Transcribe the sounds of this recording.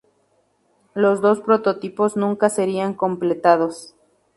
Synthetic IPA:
lo̞zd̪o̞spɾot̪o̞t̪ipo̞znũŋkase̞ɾiaŋko̞mple̞t̪að̞o̞s

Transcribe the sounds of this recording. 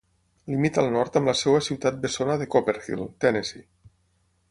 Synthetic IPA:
limit̪əlˠnɔɾt̪əmləsewəsiwt̪at̪̚besonəðekopeɾfḭlˠt̪ɛnesḭ

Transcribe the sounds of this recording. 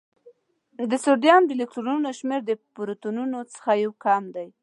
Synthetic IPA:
d̪əsoɾɖjɑnd̪əlɪk̚ʈɾonunoʃmeɾd̪əpɾot̪ununot͡sə̥xajawkɑmd̪aj

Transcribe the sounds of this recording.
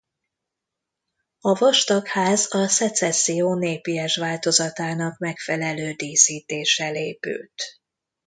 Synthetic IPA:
ɒvɒʃt̪okhaːzɒsɛt̪sɛsːijoːneːpiɛʃʋaːlt̪o̞zɒt̪aːnɒkmɛkfɛlɛløːd̪iːsiːt̪eːʃɛleːpy̰ːlt̪

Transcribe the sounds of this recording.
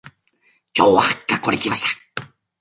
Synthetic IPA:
t͡ʃowakakoɾḛkipasḁ

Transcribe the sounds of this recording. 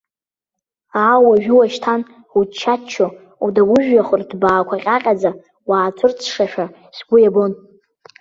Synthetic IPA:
aːwaʒᶣuwaʃtʰan | ut͡ʃʰːat͡ʃʰːo | udawʊʒᶣjaχʷʊrdbaːkʷʰaqʲʼaqʲʼad͡za | waːt͡sʷʰʊrt͡sʰʂaʃᶣa | sɡʷʊjabo̞n

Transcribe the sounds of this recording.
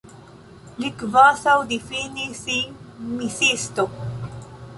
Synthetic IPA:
likvasawd̪ifinisimisist̪o

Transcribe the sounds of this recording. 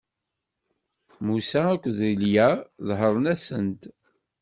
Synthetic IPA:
musæækʷːðiljæðɦəɾˤənæsənt̪

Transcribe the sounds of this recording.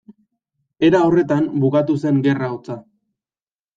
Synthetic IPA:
e̞ɾaore̞t̪ambukat̪use̞ŋɡe̞raot͡sa

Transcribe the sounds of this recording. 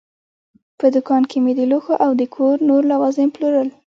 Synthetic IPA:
pəd̪ʊkɑnkʰemed̪əluxoʔawd̪əkʰoɾnoɾlawɑzɪmploɾəl

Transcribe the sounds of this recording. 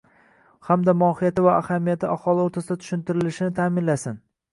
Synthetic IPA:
hamd̪amɒhɪjat̪ɪvaahamijat̪ʰɪahɒlˠɪoɾt̪ʰasɪd̪at̪ʰʊ̥ʃɪnt̪ʰɪɾɪlɪʃɪnɪt̪ʰaːmɪnlasɪn

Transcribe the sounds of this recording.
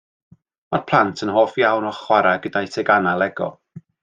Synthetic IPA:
marpʰlˠantʰənɦoːfjawnɔχwaɾaɡədajtʰɛɡanalˠɛɡɔ̰

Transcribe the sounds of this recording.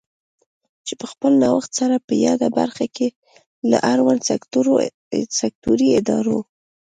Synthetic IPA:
t͡ʃepəxpəlnawaxt̪saɾapəjɑd̪aba̰ɾxake | la̰ʔaɾwan | sak̚t̪uɾiɪd̪ɑ̰ɾo

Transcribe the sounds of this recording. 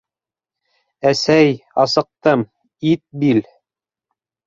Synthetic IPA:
æsæjɑsɤ̆q̚t̪ɤm | it̪̚bil

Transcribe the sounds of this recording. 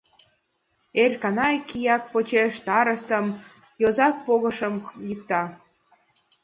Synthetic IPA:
erkɑnɑjkijɑk̚pot͡ɕeʃt̪ɑɾəst̪əm | jozɑk̚poɣəʃəmlik̚t̪ɑ

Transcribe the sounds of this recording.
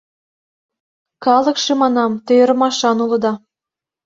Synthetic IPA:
kɑlˠɤ̆kʃĕmɑnɑmt̪ø̆jɤ̆ɾmɑʃɑnulˠɤ̆d̪ɑ

